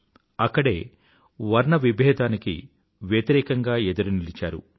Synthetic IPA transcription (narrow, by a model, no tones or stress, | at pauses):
ɐkːɐɽe̞ː | ʋɐɾɳɐʋibʱɛːd̪aːnikḭ | ʋjɐt̪iɾɛːkɐŋɡaːed̪ɐɾunilit͡ʃa̰ːɾṵ